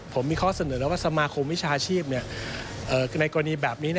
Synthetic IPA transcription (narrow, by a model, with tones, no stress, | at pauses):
pʰo˩˦mːiː˧kʰɔː˥˩sa˧nɤː˩˦la˦˥˦waː˥˩sa˧maː˧kʰo˧mwi˦˥t͡ɕʰaː˧t͡ɕʰiː˥˩p̚ni˥˩ɐ | ʔɤː˨˩na˧jkɔː˧ɾa˧niː˧bɛː˨˩p̚niː˦˥n˥˩